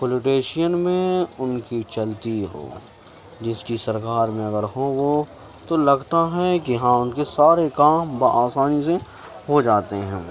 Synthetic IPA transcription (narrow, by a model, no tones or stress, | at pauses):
poloːʈeːʃijənmẽʊnkit͡ʃɐlt̪iɦo̰ː | d͡ʒɪskisɐɾkaːɾmẽɐɡəɾɦoːɡo | t̪olɐɡt̪aɦɛkiɦãʊnkesaːɾekaːmbaʔaːsaːnise | ɦod͡ʒaːt̪eɦɛ̰̃ː